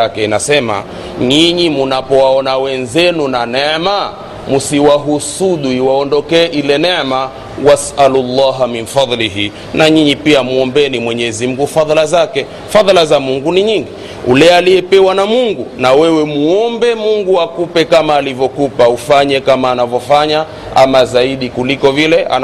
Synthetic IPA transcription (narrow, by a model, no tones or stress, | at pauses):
akɛina̰sɛma̰ | ɲiɲimunapɔwaɔnawɛnzɛnunanɛma | musiwaɦusuɗuiwaɔndɔkɛːʔilɛnɛma | wasalulːaːɦaminfɑðˤliɦi | naɲiɲipiamuɔmbɛnimwɛɲɛzim̩ɡufaðˤlazakɛ | faðˤlazamuŋɡuniɲiŋɡi | ṵlɛaliɛpɛwanamuŋɡunawɛwɛmuɔmbɛmuŋɡuakupɛkamaːlivjɔkupaufaɲɛkamaːnavjɔfaɲa | amazaiɗikulikɔvilɛa̰n